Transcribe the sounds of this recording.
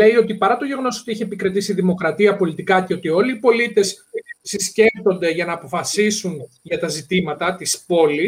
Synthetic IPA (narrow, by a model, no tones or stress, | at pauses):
le̞io̞t̪ipɐɾɐt̪o̞ʝeɣo̞no̞so̞t̪iiçeepikɾet̪isiðimo̞kɾɐt̪iɐpo̞lit̪ikɐceo̞t̪io̞liːpo̞lit̪e̞ssisce̞ft̪o̞nd̪e̞ʝɐnɐːpo̞fɐsisun | ʝɐt̪ɐzit̪imɐt̪ɐt̪ispo̞li